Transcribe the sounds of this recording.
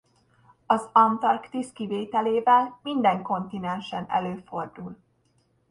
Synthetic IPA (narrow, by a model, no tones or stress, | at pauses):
ɒzɒnt̪ɒrkt̪iskiveːt̪ɛleːvɛlmind̪ɛŋko̞nt̪inɛnʃɛnɛ̰løːfo̞rd̪ul